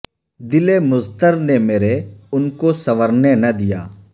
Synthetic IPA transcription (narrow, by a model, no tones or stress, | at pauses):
d̪ɪlemʊzt̪əɾnemeːɾeʊnkosɐʋəɾnenɐd̪ija̰ː